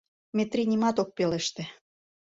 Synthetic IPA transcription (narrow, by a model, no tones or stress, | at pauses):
met̪ɾinʲimɑt̪ok̚pelĕʃt̪ĕ